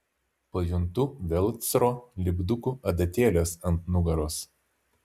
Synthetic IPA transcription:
pɐjʊnt̪ʊʋʲɛlʲˠt̪sʲɾoːlʲɪɡd̪ʊkuʔɐd̪ɐt̪ʲeːlʲeːsɐnt̪nʊɡɐɾoːs

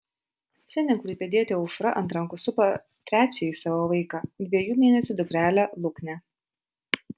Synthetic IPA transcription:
ʃʲɛnd̪ʲɛnkʊɾʲɪpʲɛd̪ʲiɛt̪ʲeɔʊʃɾɐʔɐ̰nt̪̬ɾɐŋkʊsʊpɐ | t̪ʲɾʲæːt͡ʃʲɛisɑːʋoʋɐɪkɐd̪ʲʋʲiɛjuːmʲeːnʲɛsʲud̪ʊɡɾʲæːlʲɛlˠʊknʲɛ

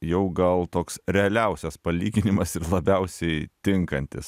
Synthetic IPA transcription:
jɛʊɡɐlˠt̪oːksɾʲɛɐlʲɛʊsʲɛspɐlʲiːɡʲɪnʲɪmɐsɪɾlˠɐbʲɛʊsʲɛɪt̪ʲɪŋkɐnʲt̪ʲɪ̰s

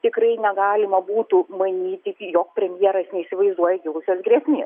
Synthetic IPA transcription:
t̪ʲɪkɾɐɪnʲɛɡɑːlʲɪmɐbuːt̪ʊmɐnʲiːt̪ʲɪkjoːkpʲɾʲɛmʲjiɛɾɐsnʲɛɪisʲɪʋɐɪzd̪uɔjɛɡʲɪlˠʊsʲoːsɡɾʲɛsʲnʲeːs

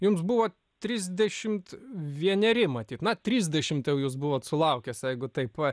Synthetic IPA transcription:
jʊmsbuʋoː | t̪ʲɾʲizʲd̪ʲɛʃʲɪmt̪ʋʲiɛnʲɛɾʲɪmɐt̪ʲiːt̪nɐt̪ʲɾʲiːzʲd̪ʲɛʃʲɪmt̪jɛʊjuːs̬bʊʋoːt̪sʊlˠɐʊkʲɛsjɛɪɡʊt̪ɐɪpɐ

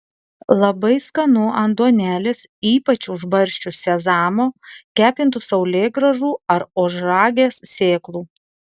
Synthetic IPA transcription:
lˠɐbɐɪskɐnʊɐnd̪uɔnʲæːlʲesiːpɐt͡ʃʲʊʒbɐɾʲʃʲt͡ʃʲʊsʲɛzɑːmoːkʲæːpʲɪnt̪usɐʊlʲeːɡɾɐʒuːɐɾoːʒɾɑːɡʲeːssʲeːklˠuː

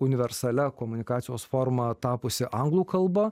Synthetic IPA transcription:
ʊnʲɪʋʲɛɾsɐlʲɛkoːmʊnʲɪkɑːt̪ʲɪjoːsfoːɾmɐt̪ɑːpʊsʲɪʔɐŋɡlˠuːkɐlˠbɐ

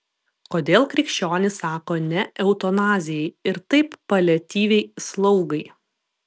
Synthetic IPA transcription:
koːd̪ʲeːlˠkɾʲɪkʃʲt͡ʃʲoːnʲɪsɑːkoːnʲɛʔɛʊt̪ɔnɑːzʲɪjɛɪɪɾt̪ɐɪpːɐlʲɛt̪ʲiːʋʲɛɪslˠɐʊɡɐɪ

